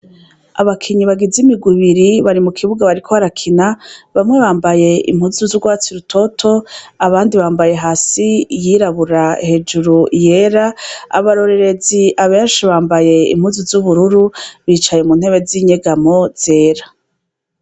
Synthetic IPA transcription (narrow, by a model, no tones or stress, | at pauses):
a̰βakʰiɲiβaɡizimiɡwiβiɾiβaɾimukʰiβuɡaβaɾikʰo̞aɾakʰinaβamŋe̞βaːmbaje̞ḭm̥huzuzuɡwaːt͡siɾutʰo̞tʰo̞aβaːndiβaːmbaje̞ɦaːsijiɾaβuɾahe̞d͡ʒuɾuje̞ɾaa̰βaɾo̞ɾe̞ɾe̞ziʔaβeːnʃiβaːmbaje̞ḭm̥huzuzuβuɾuɾuβiːt͡ʃajemuːn̥he̞βe̞ziɲeɡamo̞z̥e̞ːɾa